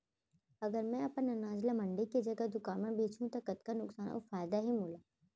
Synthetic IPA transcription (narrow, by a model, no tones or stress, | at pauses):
ɐɡəɾmɛ̃ɐpənɐnaːd͡ʒlamɐ̃ɳɖikid͡ʒɐɡad̪ʊkaːnmẽbʱeːt͡ʃũt̪okət̪kanʊksaːno̰faːjd̪aɦimoːlaː